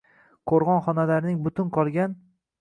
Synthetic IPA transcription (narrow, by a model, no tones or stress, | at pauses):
qʰoɾʁɒnχɒnalaɾnɪŋbʊt̪ʰʊnqʰɒlˠɡʲan